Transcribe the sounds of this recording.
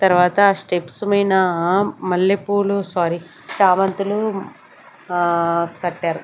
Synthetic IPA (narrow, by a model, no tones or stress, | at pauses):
t̪ɐɾʋaːt̪ɐsʈepsumɐjnɐmɐlːepuːlusaːɾi | t͡ʃaːmɐnt̪ulu | kɐʈːaːɾu